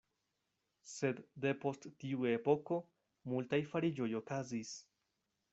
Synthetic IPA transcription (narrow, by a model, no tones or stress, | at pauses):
se̞d̪de̞po̞sttiue̞po̞ko̞ | multajfaɾid͡ʒo̞jo̞kazis